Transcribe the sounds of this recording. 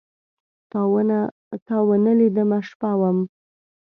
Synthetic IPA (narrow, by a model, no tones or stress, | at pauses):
t̪ɑwəna | t̪ɑwənəlid̪əmaʂpɑwəm